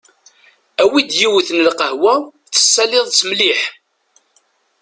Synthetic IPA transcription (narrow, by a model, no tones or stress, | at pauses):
æwid̪jiwθnəlqəhwæ | t͡sːə̥sːælɪðˤt͡sːmliħ